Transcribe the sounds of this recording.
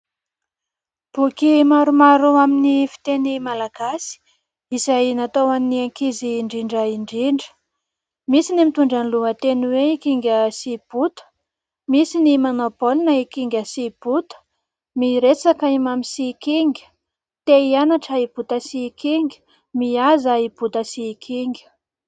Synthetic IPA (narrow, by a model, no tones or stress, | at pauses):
b̥ukimaɾumaɾuaminifi̥t̪enimalaɡ̥asi̥ | izajnat̪owanniaŋkiziːɳɖ͡ʐiɳɖ͡ʐəiɳɖ͡ʐiɳɖ͡ʐə̥ | misinimit̪uɳɖ͡ʐaniluŋət̪enweikiŋɡʲəsib̥ut̪u̥ | misinimonopolinəikiŋɡʲəsib̥ut̪ | miɾet͡sakaimamisikiŋɡʲə̥ | t̪eianaʈ͡ʂəib̥ut̪əsikiŋɡʲə̥ | miazaib̥ut̪əsikʰiŋɡʲə̥